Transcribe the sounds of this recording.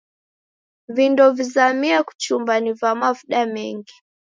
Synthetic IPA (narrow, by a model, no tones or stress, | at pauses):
vindɔvizamiaku̥t͡ʃumbanivamavɗamɛŋɡi